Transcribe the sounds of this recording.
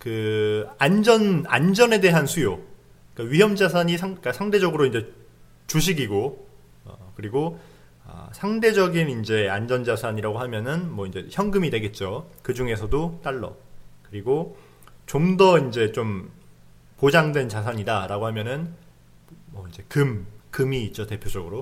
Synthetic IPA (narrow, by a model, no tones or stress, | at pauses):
kɯand͡ʑʌna̰nd͡ʑʌne̞de̞ɦansʰujo | k͈aɥiɦjʌmd͡ʑas̬ʰaɲisʰak͈asʰaŋde̞d͡ʑʌɡɯɾoind͡ʑe̞ | t͡ɕuɕʰiɡiɡo | ʌ̰kɯɾiɡo | ʌ̰sʰaŋde̞d͡ʑʌɡinind͡ʑe̞a̰nd͡ʑʌnd͡ʑasʰaɲiɾaɡoɦamjʌnɯnmwʌind͡ʑe̞çjʌŋɡɯmidwe̞ɡe̞t̚t͡ɕ͈okɯd͡ʑuŋe̞sʰʌdot͈aɭːʌ̰ | kɯɾiɡo | t͡ɕomdʌind͡ʑe̞t͡ɕom | pod͡ʑaŋdwe̞nt͡ɕas̬ʰaɲidaɾaɡoɦamjʌnɯn | mʌind͡ʑe̞kɯmkɯmiːt̚t͡ɕ͈ote̞pʰjod͡ʑʌɡɯɾo